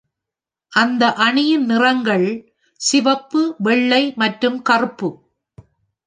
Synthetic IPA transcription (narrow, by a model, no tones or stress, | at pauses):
ʔɐnd̪ɐʔɐɳɪjɪnnɪrɐŋɡɐɭ | sɪʋɐpːɯʋɛɭːɐɪmɐʈɾɯmkɐrɯpːɯ